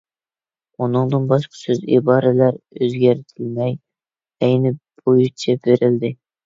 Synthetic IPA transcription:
unɨŋd̪ɨnbɑʃqʰɑ̥søzḭbɑːɾɪlæɾøzɡʲæɾt̪ʰɪlmɛj | ɛjnɪb̥ojut͡ʃʰɛbeɾɪld̪ɪ

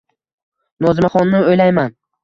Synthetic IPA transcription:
nɒzɪmaχɒnːɪojlajman

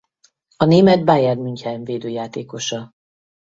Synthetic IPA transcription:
ɒneːmɛd̪̚baːjɛd̪myɲchɛjɛɱveːd̪øːjaːt̪eːko̞ʃɒ

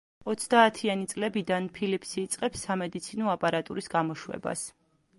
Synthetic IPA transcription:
ɔt̪sʰd̪aːt̪ʰianit̪sʼlɛbid̪anpʰilipʰsiːt̪sʼqʼɛpsːamɛd̪it̪sʰinɔapʼaɾat̪ʼuɾisɡamɔʃwɛ̰ba̰s

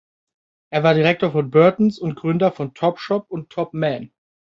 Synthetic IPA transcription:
ʔeːɐvaːɐdiʁɛk̚toːɐfɔnbœɐtn̩sʊntɡ̥ʁʏndɐfɔntʰɔpʃɔpʊntʰːɔp̚mɛn

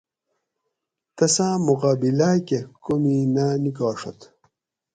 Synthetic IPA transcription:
t̪ɐsãːmuqaːbilaːkekominanikaːʂo̰t̪

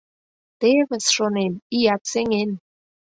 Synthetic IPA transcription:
t̪eβəsʃonenijat̪seŋen

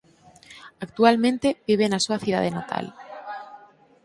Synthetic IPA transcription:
akt̪ualmẽnt̪ebiβ̞enasuaθið̞a̰ð̞enat̪ʰa̰l

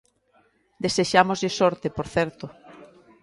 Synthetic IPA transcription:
d̪eseʃamozʎɪsɔɾt̪epoɾθɛɾt̪o

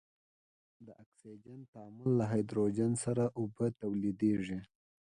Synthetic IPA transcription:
d̪əʔaksid͡ʒant̪aamʊlːaɦajd̪ɾod͡ʒansaɾaʔʊbət̪awlid̪eʐi

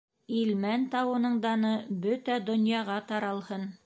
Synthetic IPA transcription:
ilmænt̪ɑwɤ̆nɤ̆ɴd̪ɑnɤbɵt̪æd̪ŏnjɑʁɑt̪ɑɾɑlˠhɤn

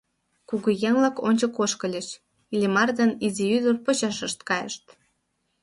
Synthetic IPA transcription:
kuɣujeŋlɑkonʲt͡ɕəkoʃkə̆lʲeʃ | ilʲimɑrd̪eniziyd̪orpət͡ɕɑʃəʃt̪kɑjə̰ʃt̪̚

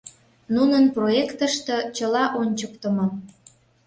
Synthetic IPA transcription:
nunənproekt̪əʃt̪ɤ̆t͡ɕəlɑʔonʲt͡ɕəkt̪əmo

